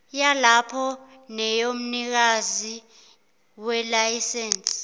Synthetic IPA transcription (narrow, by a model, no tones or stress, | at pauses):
jalapʰɔ | nɛjom̩nik̬azi | wɛlajisɛːnsʼ